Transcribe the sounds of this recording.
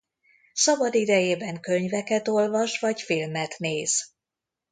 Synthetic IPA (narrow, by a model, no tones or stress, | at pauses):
sɒbɒd̪id̪ɛjeːbɛŋkø̞ɲvɛkɛt̪o̞lvɒʃʋɒcfilmɛt̪neːz̥